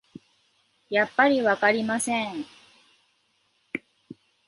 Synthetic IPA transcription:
japːaɾʲiβakaɾʲimasẽŋ

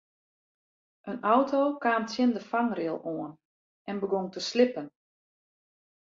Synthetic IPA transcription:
ʔənɔwtoːkaːmtsjɪndəfaŋrɪəlˠoən | ʔɛnbəɡoŋtəslɪpən

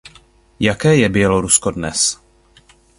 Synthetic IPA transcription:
jakɛːjɛbjɛloɾuskodnɛ̰s

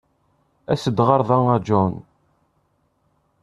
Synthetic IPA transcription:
æsəd̪ʁɑɾˤðˤɑŋæd͡ʒɔn

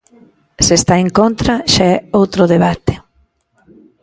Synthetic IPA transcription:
sest̪aeŋkont̪ɾaʃaɛowt̪ɾʊðeβ̞at̪ɪ̥

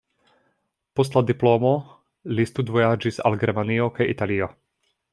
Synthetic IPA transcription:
pɔs̬t̪lad̪iplɔːmɔ | list̪ud̪vɔjad͡ʒisa̰lɡɾɛmaniɔkɛʔit̪aliɔ

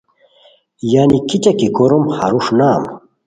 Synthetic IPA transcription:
jaːnikit͡ɕɐkikoɾomha̰ɾuʂnam

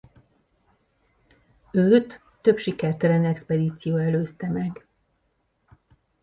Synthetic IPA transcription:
øːt̪ː | ø̞bʃikɛrt̪ɛlɛnɛkspɛd̪iːt̪sijoːɛløːst̪ɛmɛɡ

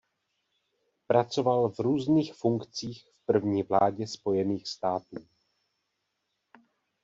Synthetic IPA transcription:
pɾat͡so̞valvɾuːzniːxfuŋkt͡siːxfpr̩vɲiːvla̰ːɟɛspo̞jɛniːxst̪aːt̪uː

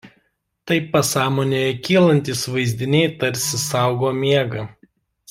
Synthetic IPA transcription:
t̪ɐɪɐsɑːmoːnʲejɛkʲiːlˠɐnʲt̪ʲiːsʋɐɪzʲd̪ʲɪnʲɛɪt̪ɐɾʲsʲɪsɑˑʊɡoːmʲiɛɡɐ

